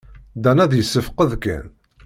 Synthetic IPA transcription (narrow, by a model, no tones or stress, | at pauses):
d̪ænæðjəsːəfqəðkæ̰n